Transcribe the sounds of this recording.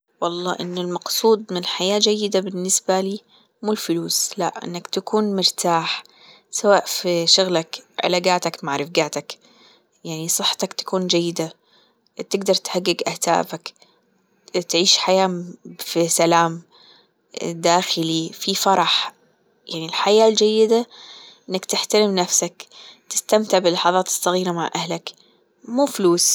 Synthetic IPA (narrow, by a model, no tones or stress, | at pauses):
wɑlˤːɑ̰ːʔɪnːʊlmɑqsˤuːd̪ˤmɪnħajaːd͡ʒajːɪd̪abɪnːɪsbaliː | muːlfʊluːsla̰ʔʔɪ̰nːakt̪akuːnmɪɾt̪ʰaːħ | sawaːʔfiʃʊɣlakʕɪ̰laːɡaːt̪akmaʕɾˤɪfɡaːt̪ak | jaʕnisˤɨħːḁt̪akt̪ḁkuːnd͡ʒajːɪd̪a | t̪ɪɡd̪ɑɾˤt̪haɡːɪɡʔaht̪a̰ːfak | t̪ʕiːʃħajaːfisalaːm | d̪aːxɪlififɑɾˤɑħ | jaʕnilħajaːld͡ʒajːɪd̪aʔɪnːakt̪ɪħt̪alɪmnafsakt̪ɪ̥st̪amt̪ɪʕbɪlːɑħɑðˤɑːt̪ɨ̥sˤːɑɣiːɾamaʕʔahlak | muːfluːs